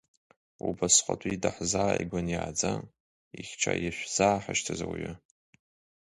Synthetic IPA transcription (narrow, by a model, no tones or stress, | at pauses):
ubasχʷʼatʷʼidaħzaːiɡʷʊnjaːd͡za | iχʲt͡ʃʰajaʃʷᶣz̥aːħaʃtʰazawiɥɪ